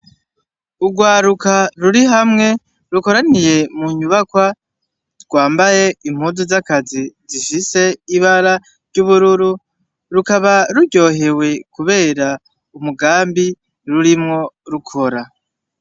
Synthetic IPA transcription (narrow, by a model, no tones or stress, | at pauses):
uɡwaːɾukaɾuɾiɦamŋe̞ | ɾuko̞ɾanije̞muɲuβakwa | ɾɡ̥waːmbaje̞im̥huduzakaziziʃise̞iβaɾa | ɾɟuβuɾuɾu | ɾukaβaɾuɟo̞ːɦe̞we̞kuβeːɾa | umuɡaːmbi | ɾuɾimŋo̞ɾukʰo̞ɾa